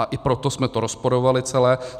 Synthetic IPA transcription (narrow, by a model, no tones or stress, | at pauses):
aʔɪpɾot̪osmɛt̪oɾospoɾovalɪt͡sɛlɛː